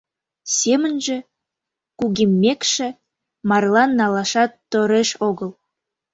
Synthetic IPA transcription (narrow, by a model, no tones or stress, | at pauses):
sʲemə̆nʒĕ | kuɣimːekʃĕ | mɑrlˠɑnːɑlɑʃɑt̪ːoɾeʃoɣəlˠ